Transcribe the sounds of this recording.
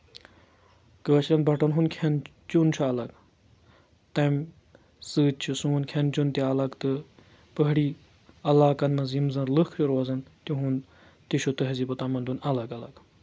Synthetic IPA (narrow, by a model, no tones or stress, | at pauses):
kəːt͡ʃʰlʲɐnbɐʈɐnɦunkʰɐn | t͡ʃunt͡ʃʰuɐlɐɡ | t̪ɐm | sɨːt͡ʃʰisunkʰɐnt͡ʃunt̪iɐlɐkt̪ɨ | pəɦɽiː | ɐlaːkɐnmɐzimzɐnɾlɨkʰɾiɾwɐzɐnt̪jũɦun | t̪iʃʰut̪ɨɦɐzipɐt̪amɐnd̪unɐlɐɡɐlɐ̰ɡ